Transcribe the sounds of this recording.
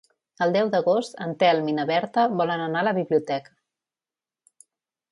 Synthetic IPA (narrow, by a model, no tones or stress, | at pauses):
əlˠd̪ɛwd̪əɣost̪ənt̪ɛlˠminəβɛɾt̪əβɔlənənaləβiβliut̪ɛkə̥